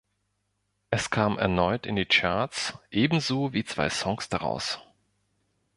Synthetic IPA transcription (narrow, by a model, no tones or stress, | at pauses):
ʔɛskʰaːmʔɛ̰ɐnɔʏtɪndiːt͡ʃaɐt͡sʔeːbm̩zoːviːt͡sv̥a̰ɪsɔŋsd̥aʁa̰ʊs